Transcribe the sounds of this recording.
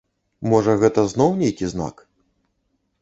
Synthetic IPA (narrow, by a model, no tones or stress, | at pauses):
mɔʐɐɣɛt̪ɐznɔwnʲejkʲizna̰k